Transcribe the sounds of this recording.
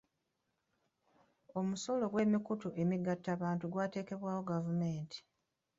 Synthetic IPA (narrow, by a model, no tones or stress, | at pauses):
o̞muso̞lo̞ɡwe̞ːmikutoʔe̞miɡatːaβaːntuɡwaːte̞ːke̞βwaːwo̞ɡavume̞ːntʰi̥